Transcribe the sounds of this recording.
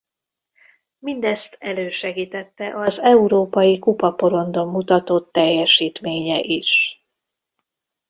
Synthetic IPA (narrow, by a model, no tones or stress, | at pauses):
mind̪ɛst̪ʰɛløːʃɛɡiːt̪ɛt̪ːɛʔɒzɛuɾoːpɒjikupɒpo̞ɾo̞nd̪o̞mːut̪ɒt̪ot̪ːɛjːɛʃiːt̪meːɲɛʔiʃ